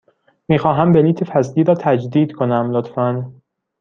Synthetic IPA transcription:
miːxɒːɦæmbeliːt̪ʰefæzliːɾɒːt̪ʰæd͡ʒd̪iːd̪̥kʰonæmlot̪fæn

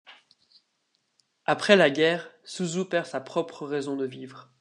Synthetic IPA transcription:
apχɛlaɡʲɛːʁsuzupɛʁsapχɔpχəʁɛzɔ̃d̪əvivʁ

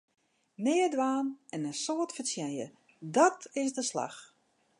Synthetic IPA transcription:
nɪːədʋaːnɛnənsoːətfəsjɛjə̰ | dɔtɪzdəsla̰x

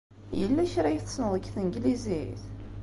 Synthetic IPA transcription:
jəlːæçɾæjθə̥snəðˤəɡθəŋɡliziθ

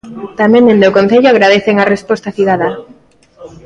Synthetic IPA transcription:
t̪amẽnend̪okonθeʎoaɣɾað̞eθeŋarespɔst̪aθiðaðɐ

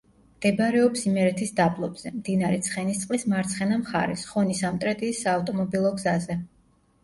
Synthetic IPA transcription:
md̪̥ɛbɾɛɔpsimɛɾɛt̪ʰisd̪abʼlˠɔbz̥ɛmd̪̥inaɾɛt̪sʰχɛnist̪sʼqʼlismaɾt̪sʰχɛnamχa̰ɾɛ̰sχɔnisamt̪ʼɾɛt̪ʼiːsaːft̪ʼɔmɔbilˠɔɡzazɛ

